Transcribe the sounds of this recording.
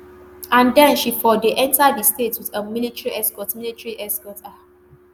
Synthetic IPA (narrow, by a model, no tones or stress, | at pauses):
ãndɛ̃nʃifɔdeʔɛ̃ntadistetwiðəmilitɹiʔɛskɔtmilitɹiʔɛskɔta